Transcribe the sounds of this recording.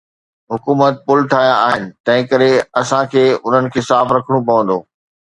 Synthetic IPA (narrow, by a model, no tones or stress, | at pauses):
ɦʊkuːmət̪̚pʊlʈʰaːijaaːɦɪnɪ̆t̪ɐ̃ɦɪ̃kɐɾeɐsãkʰeːʊn̤ənɪ̆kʰeːsaːfɾɐkʰəɽ̃ũpɐʋə̃nd̪oː